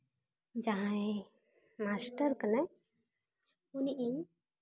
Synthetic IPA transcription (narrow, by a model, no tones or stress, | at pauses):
d͡ʒaɦãj | masʈəɾkanaj | uniʔiɲ